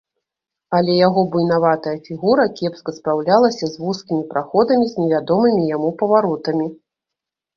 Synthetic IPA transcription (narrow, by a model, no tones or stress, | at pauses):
ɐlʲɛjaɣɔbujnavat̪ɐjɐfʲiɣuɾɐkʲɛpskɐspɾawlʲalˠɐsʲɐzvuskʲimʲipɾaxɔd̪ɐmʲizʲnʲɛvʲad̪ɔmɨmʲijamupɐvaɾɔt̪ɐmʲi